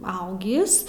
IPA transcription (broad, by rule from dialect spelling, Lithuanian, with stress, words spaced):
ˈɐʊɡʲɪs